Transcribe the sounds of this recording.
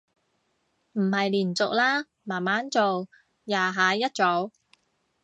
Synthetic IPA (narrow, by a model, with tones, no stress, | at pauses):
m̩˨˩hɐ˨jliː˨˩nt͡sʊ˨k̚laː˥ | maː˨˩nmaː˨˥nt͡so˨w | jaː˨˧ɦaː˨˧˥jɐ˥t̚t͡sɔ˨˧˥w